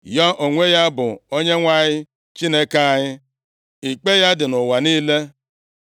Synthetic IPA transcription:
ja˦ʔo˨ŋʷe˦ja˦bʊ˨o˦ɲe˦ŋʷa˦˨ɲɪ˦ | t͡ʃi˦ne˦ka˦a˨ɲɪ˦ | i˨k͡pe˦ja˦dɪ˨nʊ˨wa˨niː˦le˦

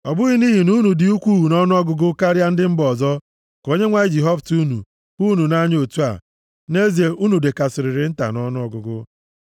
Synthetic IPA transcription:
ɔ˨bʊ˦ɣi˦ni˦ɦi˨nu˦nu˨dɪ˨u˦kʷu˦ɦu˨nɔ˦nʊ˦ɔ˦ɡʊ˦ɡʊ˦ka˦ɾja˦n̩˦dɪ˦m̩˦bɔ˨zɔ˦ | ko˦ɲe˦ŋʷa˦i˦d͡ʒi˨ɦɔ˦ftu˦nṵ˨ | bu˦nu˨na˦ɲ˦o˨tu˦a̰˨ | ne˦zi˨e˨ʔu˦nu˨de˨ka˨sɪ˨ɾɪ˨ɾɪ˨˦n̩˦ta̰˨nɔ˦nʊ˦ɔ˨ɡʊ˨ɡʊ˦

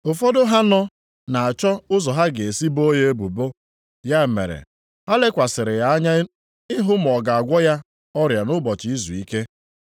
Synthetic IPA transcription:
ʊ˨fɔ˦dʊ˦ɦa˦nɔ˦ | na˨a˨t͡ʃɔ˦ʊ˦zɔ˨ɦa˦ɡe˨e˨si˦bo˦je˦e˦bu˨bo˦ | ja˦˨mḛ˨ɾḛ˨ | ha˦le˦kʷa˨sɪ˨ɾɪ˨ja˨˦ɲa˦ | ɪ˦ɦʊ˦m̩˨ɔ˨ɡa˨a˨ɡʷɔ˦ja˦ | ɔ˦ɾja˨nʊ˦bɔ˨t͡ʃɪ˨i˦zṵ˨i˦ke˦

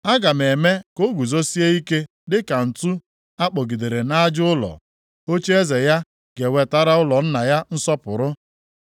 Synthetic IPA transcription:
a˦ɡa˨me˨me˦ko˦ɡu˨zo˦si˦e˦i˦ke˦ | dɪ˦ka˨n̩˨tu˦ | a˦k͡pɔ˨ɡi˨de˨ɾe˨na˦d͡ʒʊ˦lɔ̰˨ | o˦t͡ʃe˦e˦ze˨ja˦ | ɡ̥e˨we˨ta˦ɾa˦ʊ˦lɔ˨n̩˦na˨ja˦n̩˦sɔ˦pʊ˨ɾʊ˦

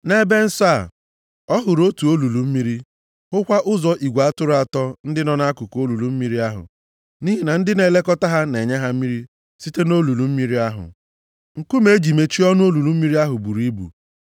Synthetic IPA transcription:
ne˦be˦n̩˦sa˦˨ | ɔ˦ɦʊ˨ɾo˦tu˨o˦lu˨lu˨m̩˦mi˦ɾi˦ | hʊ˦kʷa˦ʔʊ˦zɔ˨ʔi˨ɡʷa˨˦tʊ˦ɾʊ˨˦a˦˨tɔ˦n̩˦dɪ˦nɔ˦na˦a˦kʊ˨ko˦lu˨lu˨m̩˦mi˦ɾi˦a˦ɦʊ̰˨ | ni˦ɦi˦na˨n̩˦dɪ˦ne˨le˦kɔ˦ta˦ɦa˦ne˨ɲe˦ɦa˦m̩˦mi˦ɾi˦ | si˦te˦no˦lu˨lu˨m̩˦mi˦ɾi˦a˦ɦʊ̰˨ | ŋ̩˨ku˦me˦d͡ʒi˨me˨t͡ʃi˦ɔ˦nʊ˦o˦lu˨lu˨m̩˦mi˦ɾi˦a˦ɦʊ˨bu˨ɾi˦bṵ˨

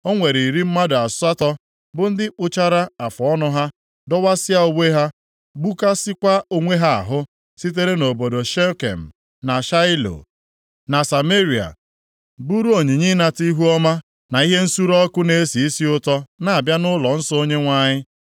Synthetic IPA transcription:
o˦ŋʷe˨ɾi˨ɾi˦m̩˦ma˦da˨sʊ˦a˦tɔ˦ | bʊ˨n̩˦dɪ˦k͡pʊ˦t͡ʃa˦ɾa˦a˨fɔ˨ɔ˦nɔ˦ɦa˦ | dɔ˦wa˦sɪ˦a˦o˦we˦ɦa˦ | ɡ͡bu˦ka˦sɪ˦kʷa˦o˦ŋʷe˦ɦa˦a̰˨ɦʊ˦ | si˦t̬e˦ɾe˦no˨bo˨do˨ʃe˦kḛ˨m̩˨ | na˨ʃa˦ɪ˦lo̰˨ | na˨sa˨me˦ɾi˨a̰˨ | bu˦ɾu˦o˨ɲi˨ɲi˦na˨ti˦ɦu˦ɔ˦ma˦ | na˨i˦ɦe˦n̩˦su˦ɾɔ˦kʊ˦ne˨˦e˦si˨i˦si˦ʊ˦tɔ˦na˨a˨bja˦nʊ˦lɔ˨n̩˦sɔ˦o˦ɲe˦ŋʷa˦ɲɪ˦

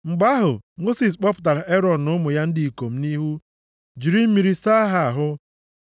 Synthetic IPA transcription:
ŋ͡m̩˨ɡ͡ba˦ɦʊ˨mo˦si˨s̬k͡pɔ˦pʊ̥˨t̬a˨ɾa˨e˦ɾɔ˨n̩˨nʊ˦mʊ˨ja˦n̩˦di˨i˨ko˨m̩˦ni˦ɦu˦ | d͡ʒi˨ɾi˦m̩˦mi˨ɾi˨sa˦a˦ɦa˦a˨ɦʊ˦

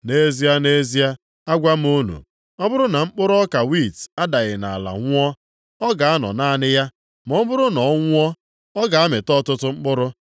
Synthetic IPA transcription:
ne˦zi˦a˦ne˦zi˦a˦ | a˦ɡʷa˦m̩˦u˦nṵ˨ | ɔ˦bʊ˦ɾʊ˦na˨ŋ͡m̩˦k͡pʊ˦ɾʊ˦ɔ˦ka˨wi˦˨ta˦da˨ɣɪ˨na̰˨a˨la̰˨ŋʷʊ˦ɔ˦ | ɔ˦ɡa˨a˦nɔ̰˨naː˦nɪ˦ja˦ | m˨ɔ˦bʊ˦ɾʊ˦nɔ˨˦ŋʷʊ˦ɔ˦ | ɔ˦ɡa˨a˦mɪ˨tɔ˦tʊ˦tʊ˦ŋ͡m̩˦k͡pʊ˦ɾʊ˦

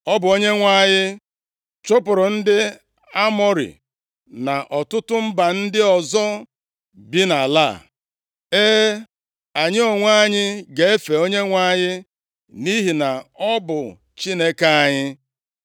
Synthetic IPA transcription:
ɔ˦bʊ˨o˦ɲe˦ŋʷa˦˨ɲɪ˦ | t͡ʃʊ˦pʊ˨ɾʊ˨n̩˦dɪ˦ | a˦mɔ˦ɾḭ˨ | na˨ʔɔ˨tʊ˦tʊ˦m̩˦ba˨n̩˦dɪ˦ɔ˨zɔ˦ | bi˦na˨la̰˦˨ | eː˦ | a˨ɲɪ˦o˨ŋʷa˦ɲɪ˦ɡe˨e˦fe˨o˦ɲe˦ŋʷa˦ɲɪ˦ | ni˦ɦi˨na˨ɔ˦bʊ˨ | t͡ʃi˦ne˦ka˦a˨ɲɪ˦

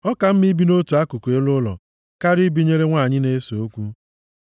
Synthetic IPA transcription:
ɔ˦ka˨m̩˦mi˦bi˦no˦tu˨a˦ku˨kʷe˦lʊ˦lɔ̰˨ | ka˦ɾi˦bi˦ɲe˦ɾe˦ŋʷa˦˨ɲɪ˦ne˦so˨o˦kʷu˦

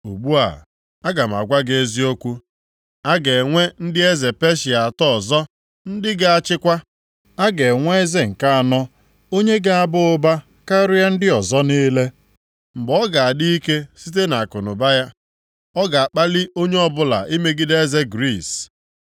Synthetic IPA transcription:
u˨ɡ͡bu˦a̰˨ | a˦ɡa˨m̩˨a̰˨ɡʷa˦ɡe˦zi˦o˦kʷu˦ | a˦ɡe˨ŋʷe˦n̩˦dɪ˦e˦ze˨pe˦ʃɪ˨a˨a˨tɔ˦ɔ˨zɔ˦ | n̩˦dɪ˦ɡa˦a˨t͡ʃɪ˦kʷa˦ | a˦ɡe˨ŋʷe˦e˦ze˦ŋ̩˨ka˦a˨nɔ˦ | o˦ɲe˦ɡa˦a˨bʊ˦ʊ˦ba˦ | ka˦ɾʊ˦ja˦n̩˦dɪ˦ɔ˨zɔ˦niː˦le˦ | m̩˨ɡ͡bɔ˦ɡa˨a˨di˦i˦ke˦si˦t̬e˦na˨a˨kʊ˨nʊ˨ba˦ja˦ | ɔ˦ɡa˨a˨k͡pa˦lɪ˦o˦ɲe˦ɔ˦˨bʊ˦la̰˨ʔi˦me˦ɡɪ˦de˦ze˦ɡɾi˦˨s

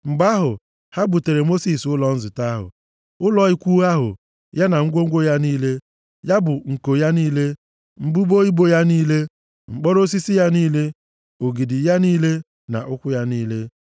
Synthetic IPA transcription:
ŋ͡m̩˨ɡ͡ba˦ɦʊ˨ | ha˦bu˨te˨ɾe˨mo˦si˨sʊ˦lɔ˨n̩˦zɪ˨ta˦ɦʊ̰˨ | ʊ˦lɔ˨i˦kʷu˦a˦ɦʊ̰˨ | ja˦na˨ŋ̩˦ɡʷo˦ŋ̩˦ɡʷo˦ja˦niː˦le˦ | ja˦bʊ˨ŋ̩˨ko˨ja˦niː˦le˦ | ŋ͡m̩˦˨bu˦bo˦i˦bo˦ja˦niː˦le˦ | ŋ͡m̩˨k͡pɔ˦ɾo˦s̬i˦si˦ja˦niː˦le˦ | o˨ɡi˨dɪ˨ja˦niː˦le˦ | na̰˨ʔʊ˦kʷʊ˦ja˦niː˦le˦

